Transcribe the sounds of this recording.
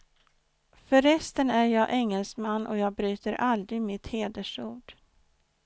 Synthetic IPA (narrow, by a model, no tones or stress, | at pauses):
fœɾːɛst̪ənæɾjɑːʔɛŋːəlsmanːʔɔ̰jɑːɡ̚bɾyːt̪əɾʔald̪ɾɪɡmɪt̪heːd̪əʂuːɖ̥